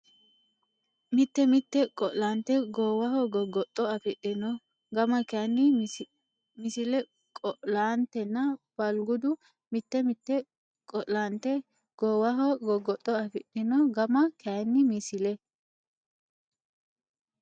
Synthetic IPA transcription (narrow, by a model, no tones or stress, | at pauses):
mɪt̪ːɛmɪt̪ːɛkʼɔʔlaːnt̪ɛɡoːwɐhɔɡɔɡːɔt̪ʼːɔɐfɪɗɪnɔ | ɡɐmɐkanːɪ | mɪsɪlɛ | kʼɔʔlaːnt̪ɛnːɐb̥ɐlɡʊd̪ʊ | mɪt̪ːɛmɪt̪ːɛ | kʼɔʔlaːnt̪ɛ | ɡ̥oːwɐɦɔɡɔɡːɔt̪ʼːɔɐfɪɗɪnɔɡɐmɐkanːɪmɪsɪlɛ